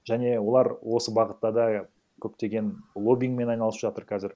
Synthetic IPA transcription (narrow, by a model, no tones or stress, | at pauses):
ʒ̥æne̞wo̞lˠɑɾwo̞səbɑʁət̪ːɑd̪ɑ | kʲʰɵp̚t̪e̞ɡʲe̞nlˠo̞bʲijŋme̞nɑjnɑlˠsəpʒɑt̪əɾkʲʰæzɪɾ